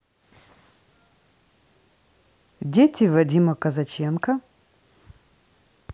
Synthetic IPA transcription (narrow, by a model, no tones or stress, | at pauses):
dʲetʰʲivɐdʲimɐkɐzɐt͡ʃɛnkɐ